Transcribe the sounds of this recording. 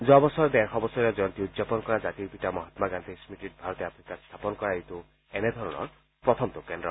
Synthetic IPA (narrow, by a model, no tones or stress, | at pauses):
d͡ʒɔbɔsɔɾd̪eɾxɔbɔsɔɾɔd͡ʒɔjɔnt̪iud̪zapɔnɔkɔɾad͡ʒat̪ibʱiʈamɔɦat̪maɡant̪ismiʈiʈ̚bʱaɾɔt̪iapʰɾikast̪ʰapɔnɔkɔɾait̪u | ened̪ʱɔɾɔɽ̃ɔ̰ɾ | pɾɔt̪ʰɔmt̪okenɖɾɔ̰